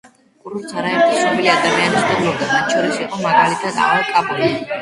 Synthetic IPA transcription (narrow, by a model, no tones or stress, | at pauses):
kʼuɾuɾt̪sʰaɾaɛɾqʼɔsnɔbiliad̪amianisd̪ɛblɔbd̪amat̪̚ʰt͡ʃʰɔɾisiqʼɔmaɡalit̪ʰad̪a̰ʁalˠkʼabʼuli